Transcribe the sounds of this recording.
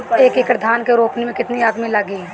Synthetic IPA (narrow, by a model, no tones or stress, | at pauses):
eːkekɾd̪ʱaːnkeɾoːpnemẽkɪt̪niaːd̪mĩlɐɡi